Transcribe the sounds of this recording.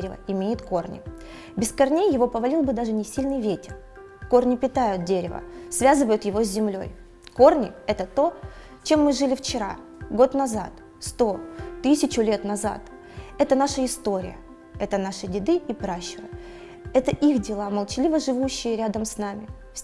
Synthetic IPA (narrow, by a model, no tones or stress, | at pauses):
ɾʲɪvə̰ɪmʲejɪt̪ko̞rnʲɪ̰ | bʲɪskɐrnʲejjɪvo̞pəvɐlʲilˠbɨd̪aʐɨnʲɪsʲilʲnɨjvʲetʲɪr | ko̞rnʲɪpʲɪt̪ajʊt̪̚dʲeɾʲɪvə̰svʲazɨvəjʊt̪jɪvo̞zʲzʲɪmlʲo̞̰j | ko̞rnʲɪɛt̪ət̪o̞ | t͡ɕe̞mːɨʐɨlʲɪft͡ɕɪɾa̰ | ɡo̞t̪nɐza̰t̪ | st̪o̞t̪ɨsʲɪt͡ɕʊlʲe̞t̪nɐza̰t̪ | ɛt̪ənaʂəɪst̪o̞ɾʲɪ̰jə̰ | ɛt̪ənaʂɨdʲɪd̪ɨipɾaɕːɪvə̰ | ɛt̪əʔixdʲɪlˠaməlˠt͡ɕɪlʲivəʐɨvuɕːɪjəɾʲad̪əmsnamʲɪ | fʲ